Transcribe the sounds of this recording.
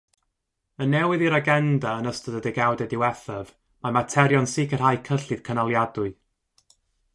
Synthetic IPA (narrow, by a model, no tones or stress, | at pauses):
ənːɛwɪðiɾaɡɛndaənəstəðədɛɡawdɛdɪwɛθɛv | mamatʰɛɾjɔnsɪkʰər̥hajkʰəɬɨð̥kʰənalˠjadʊɨ